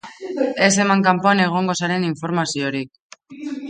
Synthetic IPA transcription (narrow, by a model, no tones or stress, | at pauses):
e̞se̞maŋkampoane̞ɣ̞o̞ŋɡo̞saɾe̞niɱfo̞ɾmasio̞ɾik̚